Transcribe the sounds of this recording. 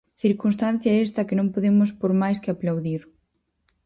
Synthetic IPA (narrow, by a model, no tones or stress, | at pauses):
θiɾkunst̪an̟θjɐɛst̪ɐkɪnõŋpoðemʊspoɾmajskɪaplawðiɾ